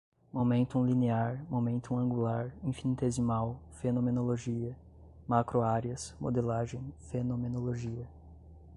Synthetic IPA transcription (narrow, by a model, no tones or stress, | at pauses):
momẽnt̪uũlineaɾmomẽnt̪uũɐ̃ŋɡulaɾĩfinit̪ezimawfenõmenoloʒiɐ | makɾoaɾjɐsmo̰d̪elaʒẽj̃fenõmenoloʒiɐ